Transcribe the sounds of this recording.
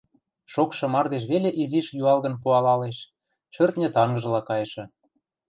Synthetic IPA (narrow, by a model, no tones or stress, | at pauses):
ʃokʃɤ̆mɑrd̪eʃ̬βelʲeʔiziʃjuɑlɣə̆npuɑlɑleʃ | ʃørt̪nʲĕt̪ɑŋɡɤ̆ʒə̆lɑkɑjʃɤ̆